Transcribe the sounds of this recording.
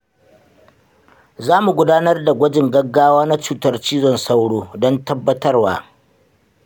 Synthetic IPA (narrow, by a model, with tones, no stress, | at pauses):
zaː˦mu˨ɡʷʊ˦daː˦nɐ˦rda˨ɡʷɐ˦d͡ʒɪ˨ŋɡɐ˦ɡːaː˦waː˦na˦t͡ʃuː˨tɐ˦rt͡ʃiː˦zɔ˨nsa˦wɽoː˦dɔ˦ntɐ˦bːɐ˦tɐ˦rwa̰ː˦